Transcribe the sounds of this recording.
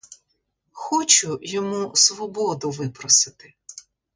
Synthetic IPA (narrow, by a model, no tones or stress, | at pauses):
xɔt͡ʃʊjɔmusʋɔbɔd̪ʊʋɪpɾɔsɪt̪ɪ